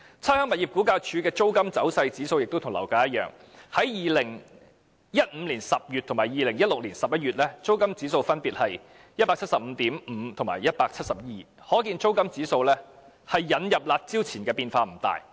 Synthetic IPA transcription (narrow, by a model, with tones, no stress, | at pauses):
t͡sʰɐ˥hœː˥ŋmɐ˨t̚jiː˨p̚kuː˨˥kaː˧jt͡ʃʰyː˨˧˥kɛː˧t͡so˥wkɐ˥mt͡sɐ˨˥wsɐ˧jt͡siː˨˥so˧wjɪ˨k̚t̪o˥wt̪ʰʊ˨˩ŋlɐ̰˨˩wkaː˨˥jɐ˥t̚jœ̰ː˨˩ŋ | hɐ˨˥jjiː˨˩lɪ˨˩ŋ | jɐ˥t̚m̩ː˨˧˥liː˨˩nsɐ˨p̚jyː˨t̪ʰʊ˨˩maː˨˩jiː˨˧lɪ˨˩ŋjɐ˥t̚lʊ˨k̚liː˨˩nsɐ˨p̚jɐ˥t̚ɥyː˨t̚lɛː˥t͡so˥wkɐ˥mt͡siː˨˥so˧wfɐ˥npiː˨t̚hɐ˨j | jɐ˥t̚paː˧k̚ʰtsɐ˨p̚m̩˨˧t̪iː˨˥mm̩˨˧t̪ʰŋmaː˨˩jɐ˥t̚paː˧k̚t͡sʰɐ˥t̚sɐ˨p̚jiː˨ | hɔː˨˥kiː˧nt͡so˥wkɐ˥mt͡siː˨˥so˧wlɛː˥ | hɐ˨jːɐ˨˥njɐ˨p̚laː˧t̚t͡si˥wt͡sʰiː˨˩nkɛː˧piː˧nfaː˧m̩˨˩t̪a̰ː˨j